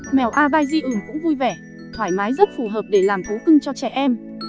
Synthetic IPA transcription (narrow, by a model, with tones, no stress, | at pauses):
mɛ˨˩wʔaː˧ɓaː˧jzi˧ʔɨ˧˩mkʊ̰˧˥ŋ͡mvu˧jvɛ˧˩ | t̪ʰwaː˧˩jmaː˨˦jzə˦˥t̚fu˧˩ɦəː˨˩p̚ɗe˧˩laː˨˩mt̪ʰu˨˦kɨ˧ŋt͡ɕɔ˧t͡ɕɛ˧˩ʔɛ˧m